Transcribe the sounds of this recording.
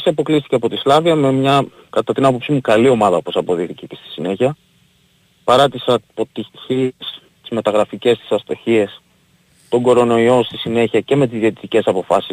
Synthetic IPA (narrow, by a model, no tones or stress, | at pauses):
siɐpo̞klist̪i̥ceɐpo̞t̪islɐviɐme̞mɲɐ | kɐt̪ɐt̪inɐpo̞psimukɐlio̞mɐðɐopo̞sɐpo̞ðixt̪icecest̪i̥sine̞çiɐ | pɐɾɐt̪isɐpo̞t̪içis | t̪i̥zme̞t̪ɐɣɾɐfice̞st̪i̥sɐst̪o̞çie̞s | t̪o̞ŋɡo̞ɾo̞no̞io̞st̪isine̞çiɐce̞me̞t̪izðiet̪it̪ice̞sɐpo̞fɐsi